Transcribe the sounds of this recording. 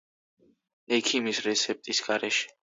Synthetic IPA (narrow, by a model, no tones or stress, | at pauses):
ɛkʰimisɾɛt̪sʰɛp̚t̪ʼisɡ̥aɾɛʃɛ̥